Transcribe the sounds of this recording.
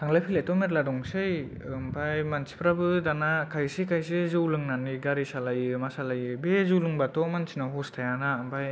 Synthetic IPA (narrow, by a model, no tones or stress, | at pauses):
tʰaŋlajpʰilajtɔmeɾladɔŋsɯj | mpʰajmansi̥pʰɾabɯdanakʰajsikʰajs̬ɯzɯwlɯŋnaniɡaɾisalajɯmasalajɯbezulɯŋbatɔmansʰinaɦostʰajanampʰaj